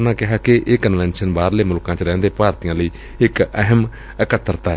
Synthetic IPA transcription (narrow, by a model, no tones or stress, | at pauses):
nãːkɪɦaːkɪʔeːkənʋɛ̃ːnʃənbaːɾləeːmʊlkãːt͡ʃɾɛ̃ːnd̪eːpaːɾt̪ijãːləiː | ɪkəɦəm | əkət̪ːəɾt̪aː